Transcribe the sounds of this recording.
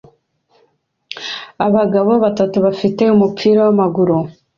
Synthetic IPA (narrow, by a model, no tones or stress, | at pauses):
aβaɡaβo̞βatatuβafite̞umupʰiːɾawamaɡuɾo